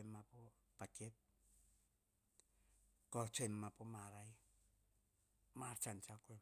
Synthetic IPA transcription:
mːapo | pakep̚ | kot͡ʃojmːapomaɾaj | maɾt͡ʃant͡ʃakue

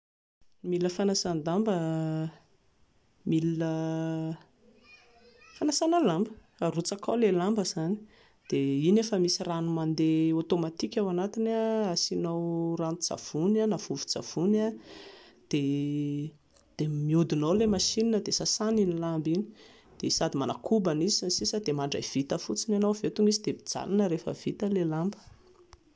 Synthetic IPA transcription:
miləfanasand̪ambə | milə | fanasanəlambə | arut͡sakawlelambəzani̥ | d̪̥einefəmisiranumand̪eot̪omat̪ikʲawanat̪inaasinowramud͡za̰v̥unanav̥uvu̥d͡za̰v̥una | d̪̥e | d̪̥emiud̪unolemaʃininəd̪esasaninilambini̥ | d̪̥esad̪imanakʰubanizisnsisəd̪emaɳɖ͡ʐa̰jv̥it̪əfut͡sinanowvet̪uŋizid̪eid͡z̥a̰lanəɾefə̰v̥it̪əlelambə̥

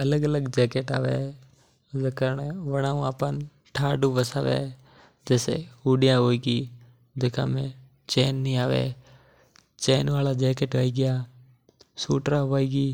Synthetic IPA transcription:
ələɡələɡd͡ʒɛːkeʈa̰ːʋḛ | zekəɾɽeʋəɽ̃aːũaːpən | ʈʰaːɖuʋəsaːʋḛ | d͡ʒɛːsḛuːɖijãɦoːiɡiː | d͡ʒeːkã̰mẽ | t͡ʃeːnːĩaːʋḛː | t͡ʃeːnʋaːlad͡ʒeːkeʈaːiɡɪjaː | suːʈɾãʋoːiːɡiː

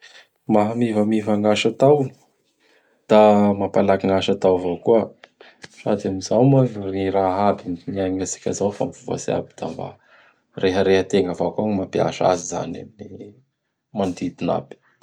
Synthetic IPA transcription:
maɦamivəmivaŋɡaʃat̪awni̥ | d̪̥amapalakiŋaʃat̪awvawkuə | ʂa̰d̪amizawmariɾaɦabinnaŋasi̥kʲa̰zawfa̰mifuva̰sia̰bi̥d̪̥a̰mba̰ | reɦəɾehət̪eŋɡavaakaŋimapia̰ʃa̰ziza̰na̰mini | mand̪id̪ina̰bi̥

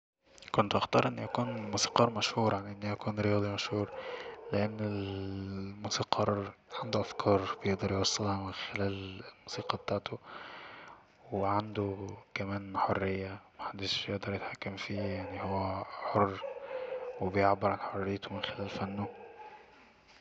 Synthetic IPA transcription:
kʊnt̪ʔaxt̪ɑɾˤʔɪnːiʔækuːnmuːsiːqɑːɾˤmæʃhuːɾˤjaʕniʔɪnːijækuːnɾejɑːd̪ˤimæʃhuːɾlɪʔanːɪl | musiːqʰɑːɾˤʕand̪ʊʔæfkʰɑːɾˤb̥jeʔd̪ɑɾjwɑsˤːɑlhɑmɪnxɪlæːllmuːsiːqɑbet̪aːʕt̪o | weʕand̪ʊkæmæːnħorːɪjːamaħad̪ːɪʃjeʔd̪ɑɾˤjɪt̪ħakːamfiːjaʕnihowːæħorː | wɪbejeʕbːɪɾʕanħorːɪjːt̪ʊmɪnxɪlæːlfænːʊ

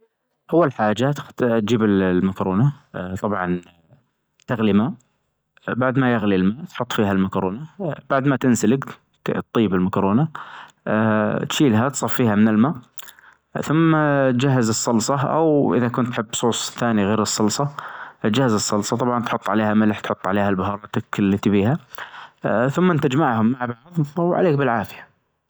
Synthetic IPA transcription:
ʔawːalħaːd͡ʒat̪t̪̚d͡ʒiːbɪllmakɾoːnat̪ˤɑbʕɑn | t̪ɪɣlimaːʔ | baʕd̪majɪɣlilmaːʔt̪ħʊt̪ˤːfiːɦalmakɾoːnab̥aʕd̪mat̪ɪnsalɪɡ | t̪ːˤiːbɪlmakɾoːna | t̪ʃiːlɦat̪sˤɑfːiːhamɪnɪlmaːʔ | θʊmːat̪d͡ʒaɦːɪzɨsˤːɑlsˤɑʔa̰wʔɪ̰ðakʊnt̪ːħɪbːsˤuːsˤθaːniɣeːɾɨsˤːɑlsˤɑt̪d͡ʒahːazɨsˤːɑlsˤɑt̪ˤɑbʕɑnt̪ħʊt̪ˤːʕaleːhamɪlħt̪ħʊt̪ˤːʕaleːhalbʊɦɑːɾˤɑːt̪akɪlːɪt̪ibiːha | θʊmːant̪ad͡ʒmaʕhʊmːaʕbaʕðˤawʕa̰leːk̚bɪlʕaːfɪjḁ

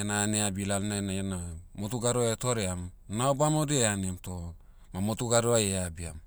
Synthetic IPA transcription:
enaːneabilalnanajenamotuɡaɾoetoɾeam | naobamodieanemto | mamotuɡaɾoajeabiam

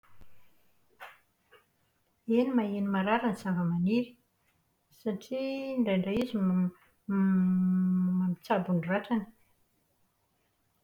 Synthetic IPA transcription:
enimaenimaɾaɾansavəmaniɾi̥ | saʈ͡ʂiɳɖ͡ʐejɳɖ͡ʐaizi | mamit͡sabunraʈ͡ʂanə̥

